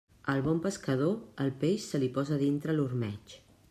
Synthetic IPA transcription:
əlˠβɔmpəskəð̞oəlˠpeʃsəlipɔzəðint̪ɾəlurmɛt͡ʃ

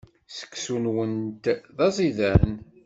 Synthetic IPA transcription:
sə̥kːsunwənt̪ðɑzˤiðæɾn

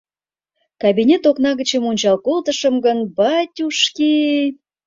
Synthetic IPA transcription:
kɑbʲinʲet̪oknɑɣə̆t͡ɕemunʲt͡ɕɑlkolt̪əʃə̆mɡənbɑtʲuʃki

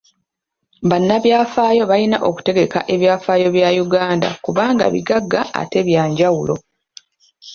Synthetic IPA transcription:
βanːaβjaːfaːjo̞βajinaʔo̞ku̥te̞ɡe̞ka̰ʔe̞βjaːfaːjo̞βjajuɡaːnda̰kuβaːŋɡa̰βḭɡaɡːa̰ːte̞βjaːɲɟawulo̞̰

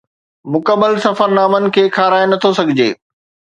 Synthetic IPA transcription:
mʊkəmːəlsɐfəɾnaːmənɪ̆kʰeːkʰaːɾaːenɐt̪ʰosɐɡʱɪd͡ʑeː

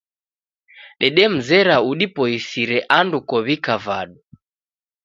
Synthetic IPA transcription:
ɗɛɗɛm̩zɛɾauɗipɔisiɾɛʔandukɔβikavaɗu

